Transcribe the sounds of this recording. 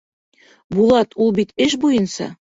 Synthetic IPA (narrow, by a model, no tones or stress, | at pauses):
bulˠɑt̪ulˠbit̪ɘʃbujɤnsɑ̰